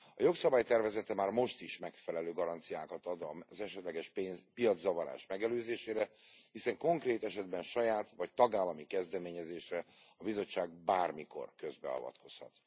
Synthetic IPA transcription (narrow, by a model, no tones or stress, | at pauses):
ɒjo̞ksɒbaːjt̪ɛrvɛzɛt̪ɛmaːrmo̞ʃt̪iʃmɛkfɛlɛløːɡɒɾɒnt̪sijaːkɒt̪ɒd̪ɒzɛʃɛt̪lɛɡɛʃpepijɒd̪zːɒvɒɾa̰ːʃmɛɡɛløːzeːʃeːɾɛhisɛŋko̞ŋkreːt̪ɛʃɛd̪bɛnʃɒjaːt̪ʋɒc̚t̪ɒɡaːlɒmikɛzd̪ɛmeːɲɛzeːʃrɛɒbizo̞t͡ʃːaːɡ̚baːrmiko̞̰rkø̞zbɛ̰ɒ̰vɒ̰t̪kʰo̞shɒ̰t̪